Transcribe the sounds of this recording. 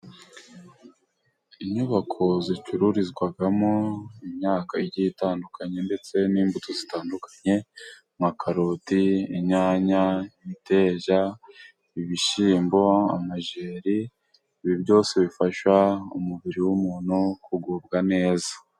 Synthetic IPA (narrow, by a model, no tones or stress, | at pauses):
iɲuβakʰo̞zit͡ʃuɾuɾizɡwaɡamoimɲaːkaiɟitaːndukʰaɲe̞nde̞t͡se̞niːmbutozitaːndukḁɲe̞ | mŋakaɾotiiɲaːɲaiite̞ːʒa | iβiʃiːmbo̞a̰maʒeːɾiː | βibɟo̞ːse̞βifaʃwaumuβiɾiwumuːn̥hukuɡub̚ɡane̞ːzḁ